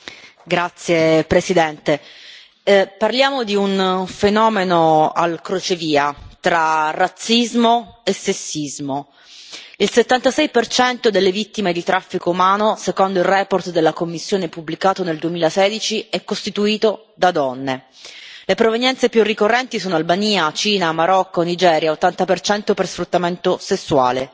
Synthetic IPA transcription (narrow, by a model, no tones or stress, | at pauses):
ɡɾat̪sːjepɾesid̪ɛnt̪e | parljaːmod̪iunfenɔːmenoalkɾot͡ʃeviːat̪ɾarat̪sːizmoesːesːizmo | ilset̪ːant̪asɛjpert͡ʃɛnt̪od̪elːevit̪ːimed̪it̪ɾafːikoumaːnosekond̪oilrɛːport̪d̪elːakomːisːjoːnepubːlikaːt̪oneld̪uemiːlasɛːd̪it͡ʃiɛkːost̪it̪uiːt̪o | d̪ad̪ɔnːe | lepɾovenjɛnt̪sepjurːikorːɛnt̪isoːnoalbaniːat͡ʃiːnamaɾɔkːonid͡ʒɛːɾjaot̪ːant̪apert͡ʃɛnt̪opersfɾut̪ːament̪osesːua̰ːle